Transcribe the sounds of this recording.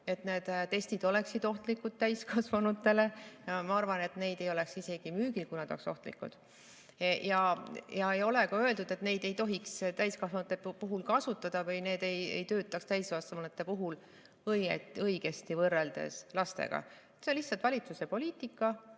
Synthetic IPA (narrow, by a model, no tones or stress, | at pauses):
e̞t̪ne̞ːd̪̥t̪e̞st̪id̪̥o̞le̞ksid̪̥o̞ht̪likːˑud̪̥̚t̪æjskɑsvɑnut̪ːˑe̞le̞jɑmɑɑrvɑne̞t̪ne̞jd̪̥e̞jo̞le̞ksise̞ɡ̥imyːɡ̥ilkunɑd̪o̰kso̞ht̪lḭkːˑṵd̪̥ | jɑjɑejo̞le̞kɑø̞eld̪ud̪e̞t̪ne̞jd̪e̞jt̪o̞ɦikst̪æjskɑsvɑnut̪ːˑepuɦulkɑsut̪ːˑɑd̪̥ɑvɯjne̞ːd̪e̞jḛjt̪ø̞ːt̪ːˑɑkst̪æjskɑsɑnut̪ːe̞puɦul | ɤjḛt̪ɤiɡ̥e̞st̪ivɤrːe̞ld̪̥e̞̰slɑst̪e̞̰ɡ̥ɑ̰et̪senlihsːɑlt̪vɑlʲit̪suse̞po̞lʲiːt̪ːˑikːˑɑ